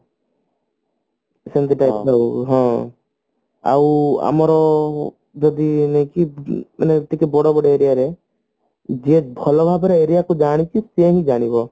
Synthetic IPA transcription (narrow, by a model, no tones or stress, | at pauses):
sent̪iʈajplɔwɦɔ̃ | a̰wa̰mɔɾɔ | d͡ʒɔd̪inejkimanet̪ikebɔɽɔbɔɽɔeɾijaɾe | d͡ʒebʱɔlɔbʱabɔɾeeɾijakud͡ʒaɽ̃ikiseɦĩd͡ʒaɽ̃ibɔ